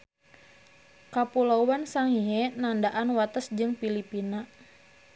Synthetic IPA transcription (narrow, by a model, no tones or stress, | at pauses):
kapulawansaŋiɦenandaʔanwat̪əsd͡ʒɨŋfilipina